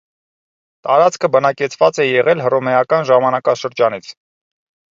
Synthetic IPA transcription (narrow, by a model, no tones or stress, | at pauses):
t̪ɑɾɑt͡skʰəbənɑkɛt͡sʰvɑt͡sɛjɛʁɛlɦərɔmɛjɑkɑnʒɑmɑnɑkɑʃəɾd͡ʒɑnit͡sʰ